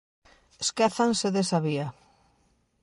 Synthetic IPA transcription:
eskɛθanseðesaβia

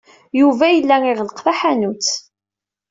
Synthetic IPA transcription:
juvæjəlːæŋɪʁləqθaħanut͡sː

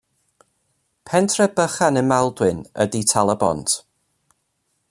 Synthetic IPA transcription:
pʰɛntʰrəbəχanənmɛlˠdwɨnə̰ditʰalˠəbɔ̰nt

